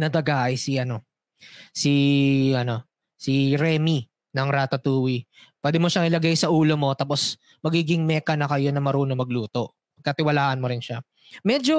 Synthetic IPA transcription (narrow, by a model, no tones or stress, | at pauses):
nɐd̪ɐɡaːʔɐjsiʔɐno̞ | siʔɐno̞ | siɾɛːmi | nɐŋɾaːt̪ɐt̪uːwi | pwɛːd̪ɪmoʃaŋʔɪlɐɡajsɐʔuːlo̞mo̞t̪aːpo̞s | mɐɡiːɡɪŋmɛːkɐnɐkɐjo̞nɐmɐɾuːnomɐɡluːt̪o̞ʔ | pɐɡ̚kɐt̪ɪwɐlaːʔɐnmo̞ɾɪnʃa | mɛd͡ʒo̞